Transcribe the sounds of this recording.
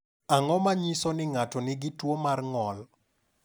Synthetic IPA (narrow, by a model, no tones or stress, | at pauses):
aŋɔmaɲisɔnɪŋatɔnɪɡɪtwomarŋɔl